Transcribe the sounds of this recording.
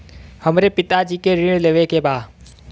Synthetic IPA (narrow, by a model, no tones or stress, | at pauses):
həmɾepɪt̪ad͡ʑiːkeɾiːɽ̃leʋekeːbaː